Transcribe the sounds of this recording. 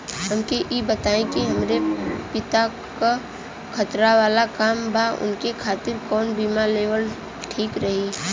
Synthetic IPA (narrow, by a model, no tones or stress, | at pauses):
ɦəmkeʔibət̪aːẽkiɦɐmɾepɪt̪a | ka | kʰət̪ɾaʋaːlakaːmbʱaʔʊ̰nkekʰaːt̪ɪɾkɔːnbiːmaleːʋəl | ʈʰiːkɾɐɦi